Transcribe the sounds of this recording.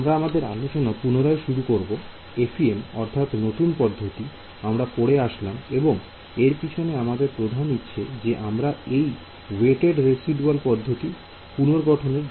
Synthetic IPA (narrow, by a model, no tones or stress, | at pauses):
amɾaamad̪eɾa̰noʃenapunoɾaeʃuɾukoɾbo | efʰiemɔ̰ɾt̪ʰat̪not̪unpɔd̪ʱːot̪i | amɾapoɽeaʃlameboŋ | eɾpit͡ɕʰoneamad̪eɾpɾod̪ʱanutːɕʰed͡ʑeʔamɾaej | weʈeɖɾesiɖualpɔd̪ʱːot̪i | punoɾɡɔʈʰoneɾ